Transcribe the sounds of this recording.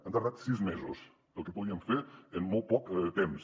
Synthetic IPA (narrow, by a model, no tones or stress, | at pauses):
ə̃nd̪aɾðat̪sizmezos | əlˠkepuðiəmfeɾenmolˠpɔkt̪ems